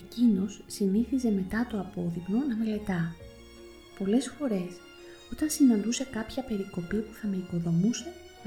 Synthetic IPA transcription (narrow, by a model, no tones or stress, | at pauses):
ecino̞sːiniθize̞me̞t̪ɐt̪o̞ɐpo̞ðikno̞nɐmele̞t̪ɐ | po̞le̞sfo̞ɾe̞s | o̞t̪ɐnsinɐnd̪use̞kɐpçɐpe̞ɾiko̞pipu̥θɐme̞iko̞ðo̞muse̞